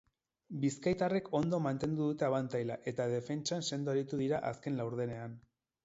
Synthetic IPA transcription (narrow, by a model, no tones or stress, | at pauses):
biskajt̪are̞ko̞nd̪o̞mant̪e̞nd̪uðut̪e̞aβant̪ajlaʔe̞t̪að̞efe̞nt͡ʃanse̞nd̪oaɾit̪uðiɾaʔaske̞nlawɾð̞e̞ne̞an